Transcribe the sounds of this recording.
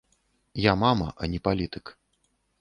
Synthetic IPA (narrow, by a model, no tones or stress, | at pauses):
jamamɐʔɐnʲipalʲit̪ɨk